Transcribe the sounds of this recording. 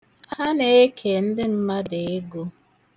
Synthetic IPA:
a˦ne˦e˦kʰe˨n̩˦dɪ˦m̩˦ma˦de˨e˦ɡo˦

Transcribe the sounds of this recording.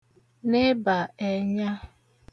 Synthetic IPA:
ne˦ba˨e˨ɲa˦

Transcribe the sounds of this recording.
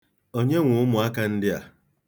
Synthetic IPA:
o˦ɲe˦ŋʷʊ˨ʊ˦mʊ˨a˦ka˦n̩˦dɪ˦a̰˨

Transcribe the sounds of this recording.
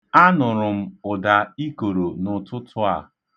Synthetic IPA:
a˦nʊ˨ɾʊ˨m̩˦ʊ˨da˨i˦ko˨ɾo˨nʊ˨tʊ˦tʰʊ˦a̰˨

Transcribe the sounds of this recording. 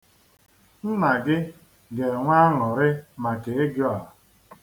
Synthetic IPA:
n̩˦na˨ɡɪ˦ | ɡe˨ŋʷa˦ŋɔ˨ɾɪ˦ma˨ke˨e˦ɡjɔ˦a˨

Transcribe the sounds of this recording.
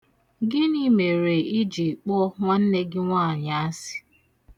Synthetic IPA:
ɡɪ˦ni˦me˨ɾe˨i˦d͡ʒi˨k͡pɔ˦ŋʷa˦n̩˦ne˦ɡɪ˦ŋʷa˦a˨ɲa˦a˦sɪ̥˦

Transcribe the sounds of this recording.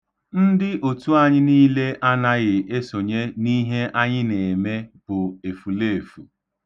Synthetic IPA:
n̩˦dɪ˦ʔo˨tu˦a˦ɲɪ˦niː˦le˦ʔa˦na˦ɣɪ˨e˦so˨ɲe˦ni˦ɦe˦ʔa˦ɲɪ˦ne˨me˦b̥ʊ˨e˨fu˨le˦e˨fu˨

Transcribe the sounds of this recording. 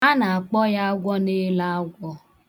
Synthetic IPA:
a˦na˨a˨k͡pɔ˦ja˦ɡʷɔ˦ne˦la˦a˦ɡʷɔ˦

